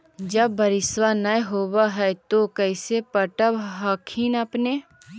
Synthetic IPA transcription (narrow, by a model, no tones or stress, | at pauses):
d͡ʒəbːəɾɪswanəjɦoːwaɦɛt̪okɛːsepəʈəbɦaːkʰiːnəpne